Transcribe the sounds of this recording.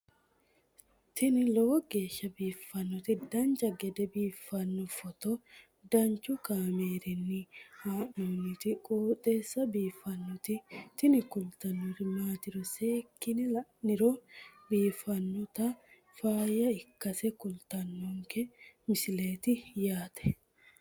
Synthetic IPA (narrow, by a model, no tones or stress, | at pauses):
t̪ɪnɪlɔɔɡe̞ːʃːɐbiːfːɐnːɔt̪ɪd̪ɐnt͡ʃɐɡɛd̪ɛbiːfːɐnːɔfɔt̪ɔ | d̪ɐnt͡ʃʊkaːmeːɾɪnːɪhaːʔoːnɪt̪ɪkʼoːt̪ʼeːsːɐbiːfːɐnːɔt̪ɪt̪ɪnɪkʊlt̪ɐnːʊrɪmaːt̪ɪɾɔseːkːɪnɪnɪɾobiːfːɐnːɔt̪ɐ | faːjɐɪkːɐsɛkʊlt̪ɐnːɔŋkɛmɪsɪle̞ːt̪ɪjaːt̪ʰɛ̥